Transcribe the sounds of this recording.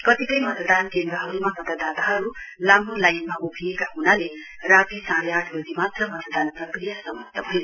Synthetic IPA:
kʌt̪ikʌjmʌt̪əd̪ankend̪ɾʌɦʌɾumamʌt̪əd̪at̪aɦʌɾu | lamolajnmaʔubʰʱijekaɦunale | rat̪isãɽeaʈʰbod̪imat̪rʌmʌt̪əd̪anprʌkrijasʌmʌk̚t̪ʌɦʌjo

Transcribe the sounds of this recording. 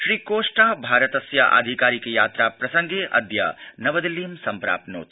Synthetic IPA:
ʃɾiːkoːʂʈabʱaːɾət̪ɐsja̰ʔa̰d̪ʱikaːɾikejaːt̪ɾapɾɐsɐ̃ŋɡʱeʔɐ̰d̪ja̰nɐʋɐd̪iliːmsɐmpɾa̰ːpno̰ːt̪

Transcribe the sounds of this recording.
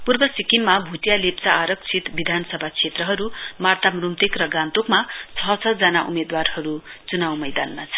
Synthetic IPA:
purbʌsikimmabʱut̪jalept͡saʔːɾʌkt͡sʰit̪bid̪ʱansʌbʱakʰet̪rʌɦʌɾumart̪amrumt̪ekrʌɡãnt̪okmat͡sʰʌt͡sʰʌd͡zanaʔṵmed̪warhʌɾut͡sunawmʌjd̪anmat͡sʰʌ̥

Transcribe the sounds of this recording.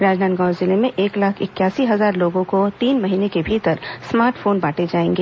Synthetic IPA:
ɾaːd͡ʒnaːnɡaːɾzɪlemẽʔeːklaːkʰɪkjaːsiɦɐzaːɾloːɡõkot̪iːnmɐɦiːnekebʱiːt̪əɾsmaːɾʈfoːnbaːʈed͡ʒaːẽːŋɡeː

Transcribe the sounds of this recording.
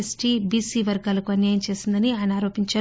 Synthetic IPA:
si̥ʈiːbiːsiːʋɐɾɡaːlɐkuɐnjaːjɐmt͡ʃe̞ːsind̪ɐniaːjnaːɾo̞ːpiɲt͡ʃɐ

